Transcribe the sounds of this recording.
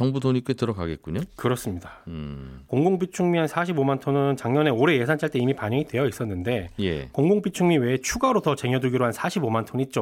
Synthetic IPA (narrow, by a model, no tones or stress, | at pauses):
t͡ɕʌŋbudoɲik͈ek̚t͈ɯɾʌɡaɡe̞t̚k͈uɲokɯɾʌs͈ɯmɲida | koŋɡoŋpit͡ɕʰuŋmiɦansʰaɕ̬ʰibomantʰonɯnt͡ɕaŋɲʌne̞oɾe̞je̞sʰant͡ɕ͈ʰaɭt͈e̞imipaɲʌŋitwe̞jʌis͈ʌnːɯnde̞jekoŋɡoŋp͈it͡ɕʰuŋmiwe̞t͡ɕʰuɡaɾotʌt͡ɕe̞ŋjʌduɡiɾoɦansʰaɕʰibomantʰonit̚t͡ɕ͈o